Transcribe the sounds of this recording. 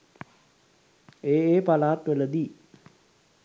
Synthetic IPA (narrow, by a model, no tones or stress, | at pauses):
eːeːpalaːt̪ʋələd̪i